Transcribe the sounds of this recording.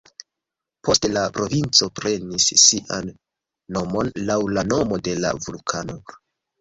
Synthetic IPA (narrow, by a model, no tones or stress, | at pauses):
po̞stelapɾo̞vint͡so̞pɾe̞nisːiʔanː | o̞mo̞nlawlano̞mo̞de̞la̰vulkʰano̞